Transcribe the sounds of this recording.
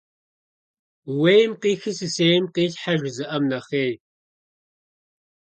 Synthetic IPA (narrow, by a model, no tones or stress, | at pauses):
wejmqiːxɨsɨseːjmqiːɬħaʒzɨʔɐmnɐχeːj